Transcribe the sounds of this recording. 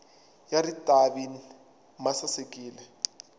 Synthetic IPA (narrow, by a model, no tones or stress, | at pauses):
jaritʼaɓin | masasekʼiːlɛ